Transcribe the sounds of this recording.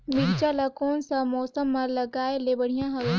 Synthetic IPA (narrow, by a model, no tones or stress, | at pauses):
miɾt͡ʃalɐkoːnsamɔːsəmːɐɾlɐɡaːelebɐɽ̤ijãɦɐʋe